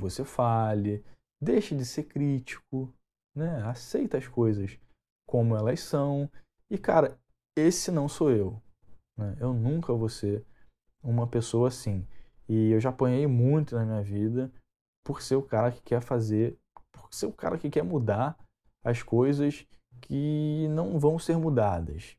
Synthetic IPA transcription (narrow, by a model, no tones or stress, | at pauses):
vosefalɪ | d̪ejʃɐd͡ʒɪsekɾit͡ʃi̥k̚ʊ | nɛasejt̪ɐɐskojzɐs | kõmʊɛlɐssɐ̃w̃ | ɪkaɾɐ | esɪnɐ̃w̃soew | nɛewnũkɐvoseɾ | ũmɐpesowɐːsĩɪewʒaːpõɲejmũj̃t̪ʊnɐmĩɲɐvid̪ɐ | pʊɾseʊkaɾɐkɪ̥kɛɾfazeɾ | pʊ̥seʊka̰ɾɐkɪkɛɾmud̪aɾ | ɐskojzɐskʰɪnɐ̃w̃vɐ̃w̃seɾmud̪ad̪ɐ̰s